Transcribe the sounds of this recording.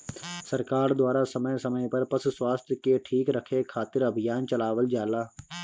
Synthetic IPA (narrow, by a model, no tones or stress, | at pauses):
səɾkaːɾd̪waːɾasəməjsəməjpɐɾpɐsswaːst̪ʰjəkeʈʰiːkɾəkʰekʰaːt̪ɪɾɐbʱɪjaːnt͡ʃəlaːʋəld͡ʒaːlaː